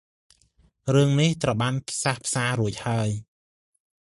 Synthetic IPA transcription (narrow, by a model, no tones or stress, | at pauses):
rɨəŋniht̪rəwɓaːnpʰsahpʰsaːɾuəc̚haəj